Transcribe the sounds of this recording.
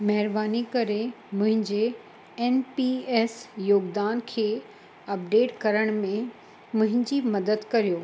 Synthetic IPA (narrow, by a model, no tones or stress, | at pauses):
mɐɦɪɾbaːnikɐɾe | mʊ̃ɦɪ̃ɲd͡ʑe | ɛnpieːsjoːɡd̪aːnkʰeː | ɐp̚ɖeːʈkɐɾəɽ̃mẽ | mʊ̃ɦɪ̃ɲd͡ʑimɐd̪əd̪kɐɾijoː